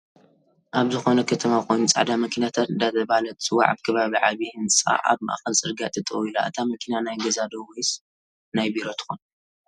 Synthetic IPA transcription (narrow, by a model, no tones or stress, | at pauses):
ʔaβzɨxo̞nɐkʰɐt̪ʰɐmakʰo̞jnut͡sʼa̰ʕd̪amɐkʰinat̪ʰat̪ɨnd̪at̪ɐβalɐt̪sɨwa̰ʕaβkʰɐβaβiʕaβiɨnt͡sɨa̰ʔa̰βma̰ʔa̰xɐlsʼɨɾɡat̪ʰʼɨt̪ʼɐwila̰ʔɨt̪ʰamɐkʰinanajɡɐzad̪owojs | najbiɾo̞t̪ʰɨ̥xun